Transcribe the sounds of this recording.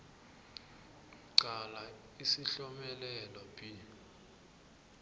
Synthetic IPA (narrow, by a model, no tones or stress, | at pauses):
ǀala | isiɬɔmɛlɛlɔpʼi